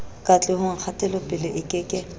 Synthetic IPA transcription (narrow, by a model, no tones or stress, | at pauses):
kʼat͡ɬʼɪhʊŋ̩k͡xʰatʼɛlɔpʼɪlɪʔɪkʼɪkʼɪ